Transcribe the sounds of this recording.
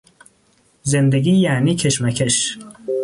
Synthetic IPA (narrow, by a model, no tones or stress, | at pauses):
zend̪eɡiːjæːniːkʰeʃmækʰeʃ